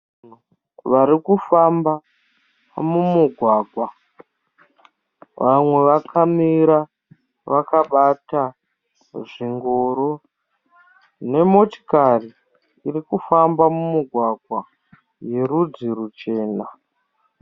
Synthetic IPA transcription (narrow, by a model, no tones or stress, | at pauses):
u | ʋaɾikufamba | mumuɡʱwaːɡʱwa | ʋʔamwe̞ʋakʰamiɾa | ʋakaɓata | ʐiŋɡo̞ɾo | ne̞mo̞ti̥kari | irikufambamumuɡʱwaɡʱwa | je̞ɾud͡ziɾut͡ʃe̞ːna